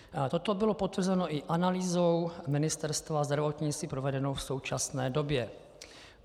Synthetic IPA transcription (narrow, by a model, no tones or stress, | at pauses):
t̪o̞t̪o̞bɪlo̞po̞t̪vr̩zɛno̞ʔɪʔanaliːzowmɪnɪst̪ɛɾst̪vazd̪ɾavo̞t̪ɲɪt͡s̪ipɾo̞vɛdɛno̞wfso̞wt͡ʃasnɛːdo̞bjɛ